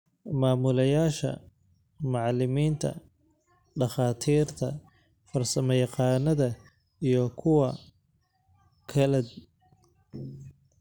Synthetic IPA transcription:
maːmʊlɐjaːʃɐ̰ | mɑʕlɪmiːnt̪ʰɐ̰ | ɖɑχɑːt̪ʰiːrt̪ʰɐ̰ | fɐrsɐmɛjqɑːnːɐðɐ | ijɞkʰʊwɐ | kʰɐlɛd̪̚

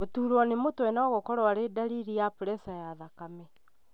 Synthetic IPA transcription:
otuɾwɔnemotwɛnaɔɣokɔɾwaɾedaɾiɾijapuɾɛsajaðakamɛ

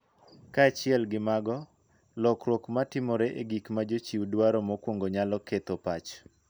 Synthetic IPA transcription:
kaːt͡ʃɪɛlɡɪmaɡɔ | lɔkɾwɔkmatɪmɔɾɛʔeɡikmad͡ʒot͡ʃiwdwaɾɔmɔkwoŋɡoɲalɔket̪opat͡ʃ

